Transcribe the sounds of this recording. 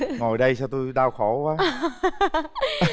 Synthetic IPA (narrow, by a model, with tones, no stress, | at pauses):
ŋo˨˩jɗə˧jsaː˧wt̪u˧jɗaː˧wxo˧˩˦kwaː˨˦